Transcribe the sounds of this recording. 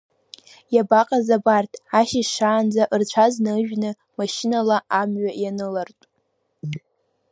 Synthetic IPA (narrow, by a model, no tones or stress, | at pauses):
jabaqʼazabartʰʼaʃiʂaːnd͡zaʔɨrt͡ɕʷʰaznɨʒᶣnɨ | maʃɪnalaʔamɥajanɨlartʼ